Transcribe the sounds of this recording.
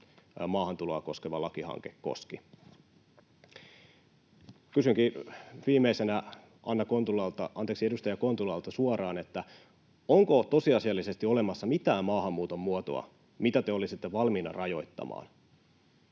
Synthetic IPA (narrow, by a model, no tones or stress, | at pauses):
mɑːhɑnt̪uloɑko̞skeʋɑlɑkihɑ̰ŋke̞kːo̰ski | kysyŋkiʋiːmeisenæ | ʔɑnːɑkont̪ulɑlt̪ɑ̰ʔɑnt̪eksie̞dust̪ɑjɑkont̪ulɑlt̪ɑsuɑrɑːnet̪ːæ | oŋko̞t̪o̞siɑsiɑlːise̞st̪io̞le̞mɑsːɑmit̪æːmmɑːhɑmːuːt̪o̞mːuot̪o̰ɑ̰ | mit̪æt̪eo̞lisit̪ːeʋɑlminɑ̰rɑjo̞̰jt̪ːɑ̰mɑ̰ːn